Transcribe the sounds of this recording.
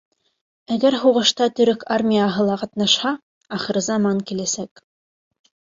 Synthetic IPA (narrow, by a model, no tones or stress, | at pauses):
æɡæɾɦuʁɤ̆ʃt̪ɑt̪ɵ̆ɾɘkarmʲijaɦɤlˠɑqɑt̪nɑʃhɑ | ɑχɤ̆ɾɘzɑmɑŋkilæsæk